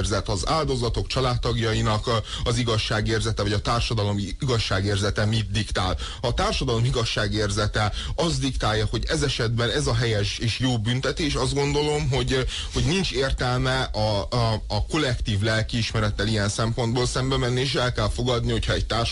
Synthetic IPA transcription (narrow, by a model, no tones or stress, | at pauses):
rzɛt̪ɒza̰ːld̪o̞zɒt̪o̞kt͡ʃɒlaːt̪ːɒɡjɒjinɒk | ɒziɡɒʃːaːɡeːrzɛt̪ɛvɒɟɒt̪aːrʃɒd̪ɒlo̞miɡɒʃːaːɡeːrzɛt̪ɛmid̪̚d̪ikt̪a̰ːl | ɒt̪aːrʃɒd̪ɒlo̞miɡɒʃːaːɡeːrzɛt̪ɛɒzd̪ikt̪aːjːɒho̞ɟɛzɛʃɛd̪bɛnɛzɒɦɛjɛʃeːʃjoːbynt̪ɛt̪eːʃɒzd̪ɡo̞nd̪o̞lo̞mɦo̞ɟ | ho̞ɟnint͡ʃeːrt̪ɛlmɛɒː | ko̞lɛkt̪iːvlɛlkiːʃmɛɾɛt̪ːɛlijɛnsɛmpo̞nd̪boːlsɛmbɛmɛnːieːʃɛlkɛlfo̞ɡɒd̪niho̞cʰhɒɛc̚t̪aːr